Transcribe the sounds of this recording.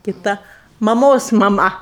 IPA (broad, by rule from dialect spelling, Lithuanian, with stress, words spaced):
kʲɪˈtɐ mɐˈmoːs mɐˈmɐ